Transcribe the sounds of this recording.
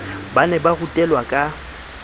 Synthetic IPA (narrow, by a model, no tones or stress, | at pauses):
banɛbaɣutʼɛlwakʼa